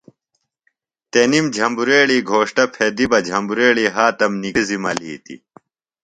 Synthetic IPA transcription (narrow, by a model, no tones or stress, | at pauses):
t̪enimd͡ʑʱɐmbuɾeːɭiːɡʱoːʂʈɐpʰed̪ibɐd͡ʑʱɐmbuɾeːɭiːɦaːt̪ɐmniizimɐliːt̪ḭ